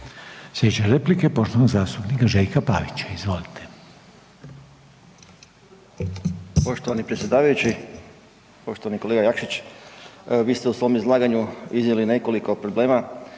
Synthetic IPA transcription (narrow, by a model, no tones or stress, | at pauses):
sʋjet͡ʃaɾeplikepo̞ʃt̪oanoɡzaːst̪upnikaʒejkapa̰ːʋit͡ɕḁizʋo̞lit̪ʰe̥ | po̞ʃt̪oʋanipɾet̪sjed̪aːʋajut͡ɕi | po̞ʃt̪oʋanikoleɡajakʃit͡ɕ | ʋiːst̪eusʋo̞mizlˠaːɡaɲuiznʲeline̞ko̞liko̞pɾo̞ble̞ːma